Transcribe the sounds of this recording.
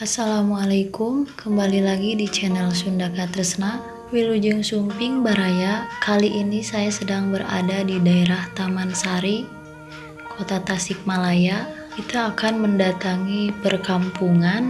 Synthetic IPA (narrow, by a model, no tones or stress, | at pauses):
asalamualakʊmkəmbalilaɡidit͡ʃɛnɛlsundakat̪əɾəsna | wilud͡ʒəŋsumpɪŋbaɾajakʰaliʔinisajasədaŋbəra̰dadidaeɾaht̪amansaɾi | kʰot̪at̪asɪk̚malajakit̪aːkanməndat̪aŋipərkampuŋan